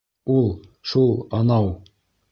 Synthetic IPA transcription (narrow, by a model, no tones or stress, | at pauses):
ulˠʃulˠɑnɑw